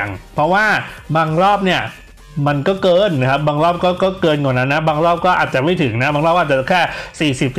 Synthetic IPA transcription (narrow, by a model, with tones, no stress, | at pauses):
ŋpʰɾɔ˦˥waː˥˩baː˧ŋɾɔː˥˩p̚ni˥˩ɐ | ma˧nkɔː˥˩kɤː˧nːa˦˥kʰa˦˥p̚baː˧ŋɾɔː˥˩p̚kɔː˥˩kɔː˥˩kɤː˧nkːna˦˥nːa˦˥baː˧ŋɾɔː˥˩p̚kɔː˥˩ʔaː˨˩t͡ɕa˨˩ma˥˩jt̪ʰɯ˩˦ŋna˦˥baː˧ŋɾlɔː˥˩k̚ːt͡ɕkʰɛː˥˩siː˨˩si˨˩p̚